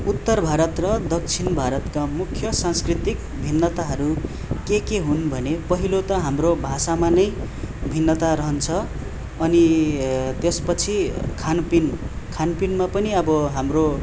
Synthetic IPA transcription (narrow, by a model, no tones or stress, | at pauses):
ut̪ːʌrbʱaɾʌt̪rʌd̪ʌk̚t͡sʰinbʱaɾʌt̪kamukʰjʌsãnskrit̪ik | bʱinːʌt̪aɦʌɾu | kekeɦunbʱʌnepʌɦilot̪ʌɦamrobʱasamanʌj | bʱinːʌt̪aɾʌɦʌnt͡sʰʌː | ni | t̪espʌt͡sʰikʰanpin | kʰanpinmapʌniʌbʌɦamro